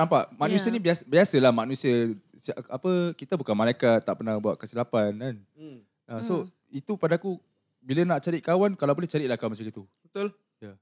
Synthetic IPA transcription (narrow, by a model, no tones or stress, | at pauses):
nampaʔmak̚nũsiənibiasbiasəlahmak̚nusiə | sapəkit̪abukanmãlajkat̪ːaʔpərnahbua̰ʔ̪̚kəsilapanan | ʔaso | it̪upadaːku | bilənaʔt͡ʃaɾit̪ʔ̚kawankalawbolɛht͡ʃaɾiʔ̚lahkawmat͡ʃaŋit̪ubət̪l | ja